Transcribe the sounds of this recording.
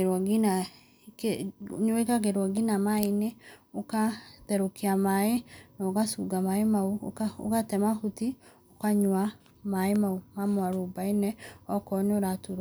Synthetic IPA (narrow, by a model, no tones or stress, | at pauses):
ɡina | ɲekaɡeɾwaɡinamaineokaðɛɾokiamaenɔoɡasuɡamaemauo̰ɡatɛmahuti | okaɲwa | maemaumamwaɾobainɛɔkɔnoɾatuɾ